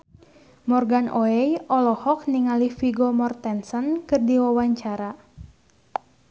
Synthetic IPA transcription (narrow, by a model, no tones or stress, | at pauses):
mɔrɡanʔɔɛjɔlɔhɔk̚niŋalifiɡɔmɔrt̪ɛnsənkɨrdiwawaɲt͡ʃaɾa